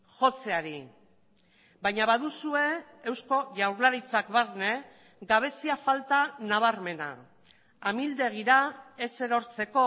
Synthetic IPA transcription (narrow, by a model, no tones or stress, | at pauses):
ʝo̞t͡se̞aɾi | bajɲaβaðusue̞ːwsko̞ʝawɾlaɾit͡sakβaɾne̞ | ɡaβ̞e̞siafalt̪anaβ̞aɾme̞na̰ | amild̪e̞ɣ̞iɾae̞se̞ɾo̞ɾt͡se̞ko̞